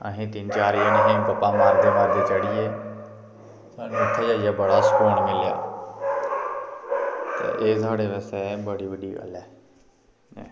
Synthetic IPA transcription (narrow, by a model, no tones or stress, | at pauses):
əɦĩːt̪ɪnt͡ʃaːɾiːənəɦẽːpəpaːmaːɾd̪eːmaːɾd̪eːt͡ʃəɽieː | saːnɪt̪ʰːeːd͡ʒaːjaːbəɽaːskoːɳmɪlja̰ː | t̪ḛːʔeːsaːɽeːʋəsɛːbəɽiːʋəɖiːkə̰lɛː | ɛ̰ː